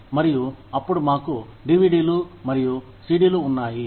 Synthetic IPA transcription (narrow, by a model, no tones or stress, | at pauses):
mɐɾijuɐpːuɽumaːkuɖiʋiɖiːlumɐɾiju | siːɖiːluːnːaːji